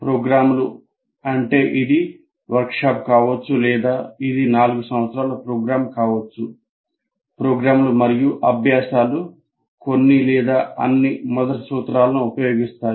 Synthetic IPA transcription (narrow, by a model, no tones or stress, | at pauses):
pɾoːɡɾaːmulu | ɐɳʈe̞ːʔid̪i | ʋɐɾkʂaːp̚kaːʋɐt͡ʃːulɛːd̪aːid̪inaːluɡusɐmʋɐt̪sɾaːlɐpɾoːɡɾaːmkaːʋɐt͡ʃːu | pɾoːɡɾaːmlumɐɾijuʔɐbʱjaːsaːlu | konːilɛːd̪aːɐ̰nːimɔd̪ɐʈisuːt̪ɾaːlɐnuːpɐjo̞ːɡist̪aːɾ